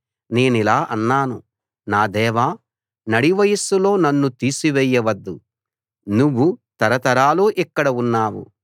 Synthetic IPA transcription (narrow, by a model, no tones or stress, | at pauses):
ne̞ːnilaːʔɐnːaːnṵ | naːd̪ɛːʋaː | nɐɽiʋɐjɐsulo̞ːnɐnːut̪iːsiʋɛjːɐʋɐd̪ːu | nuʋːut̪ɐɾɐt̪ɐɾaːloːʔikːɐɽɐunːaːwṵ